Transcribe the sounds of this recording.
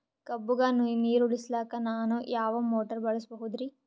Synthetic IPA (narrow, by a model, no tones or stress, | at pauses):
kɐbːuɡɐnuniːɾuɭislaːkɐnaːnujaːʋɐmoːʈɐɾbɐɭɐsbɐɦud̪ɾi